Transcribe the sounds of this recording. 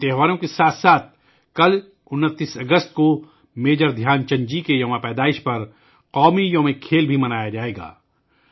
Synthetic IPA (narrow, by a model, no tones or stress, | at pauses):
t̪eːɦʋaːɾõkesaːt̪ʰsaːt̪̚ʰ | kɐl | ʊnːət̪ːiːsɐɡəst̪̚ko | meːd͡ʒəɾd̪ʱjaːnt͡ʃɐ̃ɲd͡ʒikejɐmapɛːd̪aːɪʃpɐɾ | qɔːmijõːmẽkʰeːlbʱimɐnaːjad͡ʒaːeːɡa̰ː